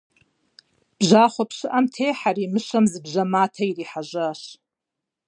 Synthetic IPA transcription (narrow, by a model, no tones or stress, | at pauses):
b̥ʒʷaːχʷapʰʂɨʔamtʰejħaɾimɨʃamzɨbʒamaːtʰairiħaʒʷaʃ